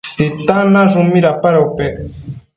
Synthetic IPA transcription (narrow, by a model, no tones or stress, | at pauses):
tit̪anaʐumiɾapaɾopɛ